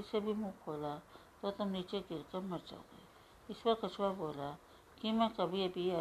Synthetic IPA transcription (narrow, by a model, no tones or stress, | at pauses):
sebʱimũkʰola | t̪ot̪ʊmnit͡ʃeɡɪɾkəməɾd͡ʒa̰o̰ɡḛ | ɪspəɾkət͡ʃʰʋaboːla | kimɛ̃kəbʱiəbʱiə